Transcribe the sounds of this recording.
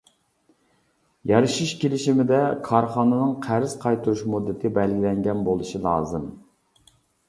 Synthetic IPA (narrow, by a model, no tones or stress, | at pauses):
jɑɾɨʃiʃkʲelɪʃimɪd̪ɛkʰɑɾχɑːnɨnɨŋqʰæɾɪz̥qʰɑjt̪ʰuɾuʃmud̪ːɪt̪ʰɪbɛlɡʲilɛŋɡʲɛnbolˠɨʃilˠɑ̰ːzɨm